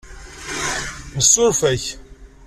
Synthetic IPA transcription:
məsːʊɾfæç

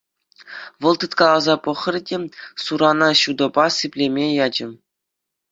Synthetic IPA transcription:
ʋɤ̆lˠt̪ɯt̪kɑlˠɑzɑpɤ̆χɤ̆rdʲesuɾɑnɑɕud̪ɤ̆bɑsɘpʲlʲemʲejɑd͡ʑɘ̆

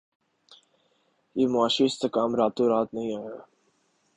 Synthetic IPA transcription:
jeːmʊaːʃiɪst̪ekaːmɾaːt̪õɾaːt̪nɐɦĩaːɦaː

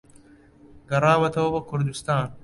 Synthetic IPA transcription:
ɡɐɾaːʋɐt̪ʰɐobɐkʰʊɾd̪ust̪aːn

